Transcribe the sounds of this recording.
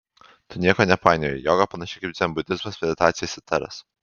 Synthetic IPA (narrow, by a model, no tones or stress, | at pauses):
t̪ʊnʲiɛkoːnʲɛpɑˑɪnʲeːjɔːɡɐpɐnɐʃʲɪkɐɪp̪̚zʲɛmbʊd̪ʲɪzmɐsmʲɛd̪ʲɪt̪aːt̪sʲɪjɛsʲɪt̪ɐɾɐ̰s